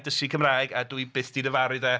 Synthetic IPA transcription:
dəsikʰəmraːjɡadwibɨθd̥inəvaɾɨðɛ

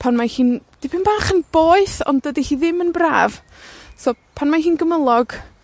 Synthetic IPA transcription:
pʰanmahiːnd̥ipʰɪnbaχənb̥oːɨθɔ̰ndədihiːðɪmənbra̰ːv | sɔːpʰanmahɦiːnɡəməlˠɔɡ̥

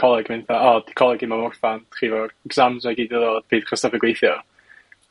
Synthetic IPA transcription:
ɔlˠɛɡmɪnθaɔdʰɪ̥kʰɔlˠɛɡimamɔrθantʰχivɔɡz̥amzaɡiːdəlɔb̥iːd̥χəstavɛɡwejθjɔ

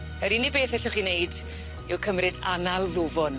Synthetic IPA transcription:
əɾinibeːθɛɬɔχinejd | ɪwkʰəmrɪdanalˠðʊvɔn

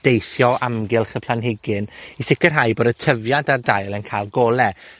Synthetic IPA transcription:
d̥ejθjɔʔamɡɪlˠχəpʰlanɦɪɡɪnisɪkərɦajboːdətʰəvjandardajlˠənkʰajlˠɡɔːlˠɛ

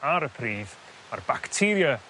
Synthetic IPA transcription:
aɾəpʰriːv | ma̰rbaktʰɪɾja

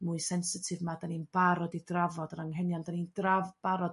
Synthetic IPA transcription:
mʊɨsɛnsɪtʰɪvmadaninb̥aɾɔdidravɔdənaŋɦɛnjandanindravb̥aɾɔd

